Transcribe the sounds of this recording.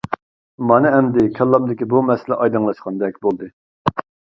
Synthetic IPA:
mɑnɨɛmd̪ɪkʲʰɛlˠːɑmd̪ɪkʲibumɛsɪlɛʔɑjd̪ɨŋlˠɑʃqɑnd̪ɛk̚ʲbolˠd̪ɨ

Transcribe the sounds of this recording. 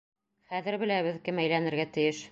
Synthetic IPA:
χæðɘ̆ɾbɘ̆læβɘðkɘmæjlænɘ̆ɾɡæt̪ɘ̆jɘʃ

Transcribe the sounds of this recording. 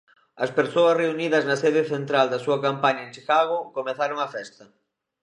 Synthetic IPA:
ɐspeɾsoɐsreuniðɐznɐseð̞eθent̪ɾald̪ɐsuɐkampaɲɐẽnt͡ʃikaɣokomeθaɾoŋɐfɛst̪ɐ

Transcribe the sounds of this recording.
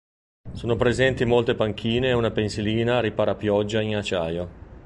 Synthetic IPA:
soːnopɾezɛnt̪imolt̪epaŋk̟ʰiːneːunapensiliːnaɾipaːɾapjɔd͡ʒːainat͡ʃaːjo

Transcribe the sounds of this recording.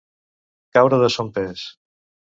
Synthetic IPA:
kawɾəðəsompes

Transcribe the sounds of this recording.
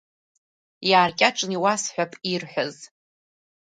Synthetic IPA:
jaːrkʲʼaʈ͡ʂʼniwasħʷᶣapʼirħʷaz

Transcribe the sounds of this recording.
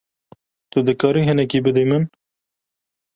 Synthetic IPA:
t̪ʊd̪ɨkɑːɾiɦɨnɛkiːbɨd̪emɨn

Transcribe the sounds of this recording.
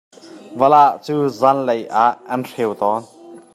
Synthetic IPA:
vɐlaʔt͡suːzanlɐjʔaʔːɐnr̥ewt̪ɔn

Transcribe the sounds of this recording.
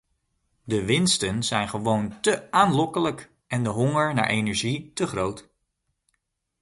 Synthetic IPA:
dəʋɪnstənzɛjnχəʋowntəaːnlɔkələk | ɛndəɦɔŋəɹna̰ːɹʔejnɛɹʒitəχrowt

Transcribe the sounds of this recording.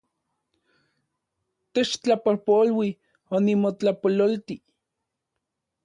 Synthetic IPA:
t̪et͡ʃt͡ɬapolpolwi | onimot͡ɬapololt̪i

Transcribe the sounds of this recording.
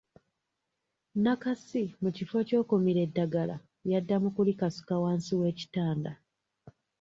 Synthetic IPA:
nakasimucifo̞co̞ːkomiɾe̞dːaɡala̰ | jadːamukulikasu̥kawaːnsiwe̞ːci̥taːnda

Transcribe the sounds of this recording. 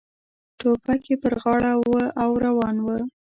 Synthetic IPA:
t̪opakepəɾɣɑɽawəʔawɾawɑnwə

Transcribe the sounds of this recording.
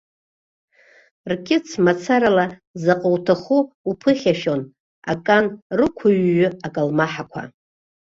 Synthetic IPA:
rkʲʼɪt͡sʰmat͡sʰaɾalazaqʼəwtʰaχuupʰɨχʲaʃon | a̰kʼanrɨkʷʰʊɥːʊakʼalmaħakʷʰa̰

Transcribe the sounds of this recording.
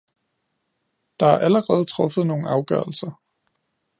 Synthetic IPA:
d̥ɑ̈æʔæləʁɛːð̞̩ˠt͡sʰʁɔ̽fð̩ˠno̝ːn̩ɑ̈ʊɡ̥ɶɐl̩sɐ

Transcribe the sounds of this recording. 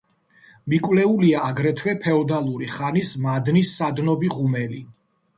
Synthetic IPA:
mikʼwlɛuliaːɡɾɛt̪ʰwɛpʰɛɔd̪alˠuɾiχanismad̪nisːad̪nɔbiʁumɛli

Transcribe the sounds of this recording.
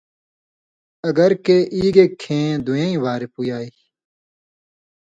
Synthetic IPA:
ɐɡɐɾkeːʔiːɡeːkʰːẽːd̪ujãːĩːʋaːɾepujaːiː

